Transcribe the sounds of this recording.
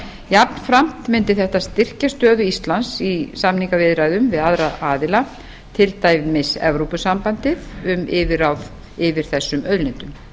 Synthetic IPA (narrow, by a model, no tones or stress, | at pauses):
japn̥fɾam̥t̪mɪnt̪ɪθɛht̪ast̪ɪr̥cast̪œːðʏist̪lansisamniŋkavɪðɾaːjðʏmvɪðaðɾaaːðɪla | t̪ʰɪlt̪aːjvmɪsɛ̰vɾowpʏsampant̪ɪðʏmɪvɪɾawð | ɪvɪɾ̥θɛsːʏmœðlɪnt̪ʏm